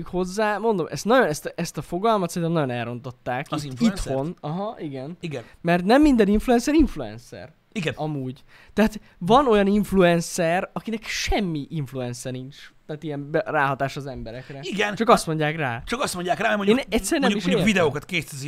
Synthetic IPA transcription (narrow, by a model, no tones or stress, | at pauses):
ikho̞zːaːmo̞nd̪o̞mʔɛst̪nɒɟonɛst̪ɛst̪ɒfo̞ɡɒlmɒt̪sɛnt̪ɛmnɒjo̞nɛlɾro̞nt̪o̞t̪ːaːkiit̪ho̞nɒɦɒiɡɛniɡɛn | mɛrt̪nɛmːind̪ɛniɱfluɛnsɛɾiɱfluɛ̰nsɛ̰r | iɡɛnɒmuːɟ | t̪ɛɦaːt̪ | vɒno̞jɒniɱfluɛnsɛrɒkinɛkʃɛmːiʔiɱfluɛnsɛnint͡ʃt̪aːt̪ijɛmbɛraːɦɒt̪aːʃɒzɛmbɛɾɛkrɛiɡɛnt͡ʃɒkɒst̪mo̞ɲɟaːkraːt͡ʃɒkɒst̪mo̞ɲɟaːkraːmɛmoːnɛtsːɛɾɛnɛumiovid̪ɛoːkɒt̪keːstɛzi